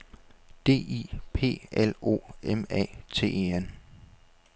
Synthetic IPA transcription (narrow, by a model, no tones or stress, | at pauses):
d̥e̝̰ːiːpʰe̝̰ːelo̝̰ːemɛ̰ːt͡sʰe̝̰ːeen